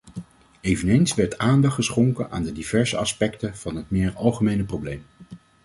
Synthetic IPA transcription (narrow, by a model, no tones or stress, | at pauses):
ejvənejnsʋɛɹtaːndɑχtχəsχʊŋkənʔa̰ːndədivɛɹzə̰ɑspɛktəv̥ɑnɦət̚mɪːɹɑlˠχəmejnəprowblejm